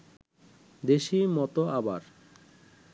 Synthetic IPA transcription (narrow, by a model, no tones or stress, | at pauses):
d̪eʃimɔt̪oabaɾ